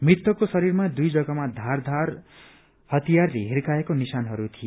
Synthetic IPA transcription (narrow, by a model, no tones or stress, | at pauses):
mrit̪ːʌkosʌɾiɾmad̪ujd͡zʌɡamad̪ʱard̪ʱar | hʌt̪ijarleɦiɾkaekonisanɦʌɾut̪ʰije